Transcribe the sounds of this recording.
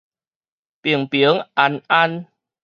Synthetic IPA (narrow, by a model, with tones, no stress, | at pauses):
pi˨˩əŋpi˨˩˦ə˦ŋʔa˧˩nʔa˧n